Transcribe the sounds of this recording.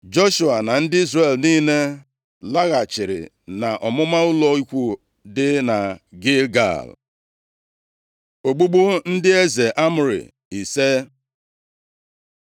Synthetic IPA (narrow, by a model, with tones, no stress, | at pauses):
d͡ʒo˦ʃu˨a˨na˨n̩˦dɪ˦i˦zre˨lniː˦ne˦ | la˦ɣa˨t͡ʃɪ˨ɾɪ̰˨ | na˨ʔɔ˨mʊ˦ma˦ʊ˦lɔ˦i˦kʷu˦ | dɪ˦na˨ɡe˦ɡa̰˨l | o˨ɡ͡bu˦ɡ͡bu˦n̩˦dɪ˦e˦ze˨ʔa˦mʊ˨ɾɪ̰˨ | i˨se˦